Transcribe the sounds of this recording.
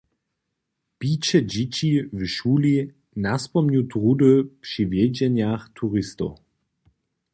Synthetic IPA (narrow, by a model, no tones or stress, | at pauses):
piːt͡ɕɛd͡ʑit͡ɕivʃuːli | naspɔmɲutʁudəpʂivjɛd͡ʑɛnjaxt̪ʰuʁɪst̪ɔ̰